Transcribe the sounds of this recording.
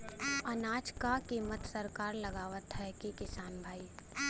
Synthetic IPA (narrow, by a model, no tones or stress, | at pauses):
ɐnaːt͡ʃkakiːmət̪səɾkaːɾləɡaːʋət̪ɦɛkikɪsaːnbʱaːiː